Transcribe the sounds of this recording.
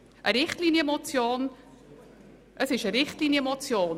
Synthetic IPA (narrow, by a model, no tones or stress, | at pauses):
ʔəɾɪχtliːnjəmot͡sjoːn | ʔəsɪʃəɾɪχtliːnjəmot͡sjoːn